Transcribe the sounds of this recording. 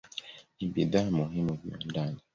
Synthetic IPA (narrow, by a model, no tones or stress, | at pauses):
nibiðamuɦimuvia̰ndaɲi